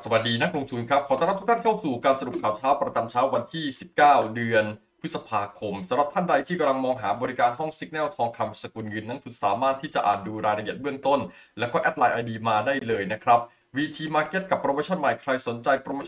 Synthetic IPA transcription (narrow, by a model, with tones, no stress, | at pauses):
sa˨ba˨˩t̪̚diː˧na˦˥k̚ɾo˧ŋt̪ʰuː˧nkʰɾa˦˥p̚kʰɔː˩˦t̪a˧ɾa˦˥t̪u˦˥kt̪ʰːnkʰa˥˩wsuː˨˩kaː˧nsa˧ɾu˨˩p̚kʰaː˨˩wt̪ʰaː˦˥wpɾa˧t͡ɕa˧mt͡ɕʰaː˦˥wa˧nt̪ʰiː˥˩si˨˩p̚kaː˥˩wdɯ˧ən | pʰɯ˦˥t̪sa˧pʰaː˧kʰo˧msa˩˦mɾa˨˩p̚t̪ʰa˥˩nda˧jt̪ʰiː˥˩ka˧la˧ŋmɔː˧ŋɦaː˩˦bɔː˧ɾi˦˥kaː˧nɦɔ˥˩ŋsi˦˥k̚nɛː˥˩wt̪ʰɔː˧ŋkʰa˧msa˧ku˧nŋɯ˧nːa˦˥ŋt͡ɕ̪ʰu˨˧˩nsaː˩˦maː˥˩t̪ʰːiː˥˩t͡ɕa˨˩ʔaː˨˩nduː˧ɾaː˧jɾa˧ʔət̪̚bɯ˥˩əŋt̪o˥˩nlɛː˦˥wkɔː˥˩ʔɛ˦˥t̪̚laː˧jʔaː˧diː˧maː˧daː˥˩jlɤː˧jna˦˥kʰɾa˦˥p̚ | wiː˧t̪ʰiː˧maː˧ke˦˥t̪̚ka˨˩pːɾoː˧moː˧˥t͡ɕʰɔ˥˩nma˨˩jkʰɾa˧jso˩˦nt͡ɕa˧jpɾo˧moː˧˥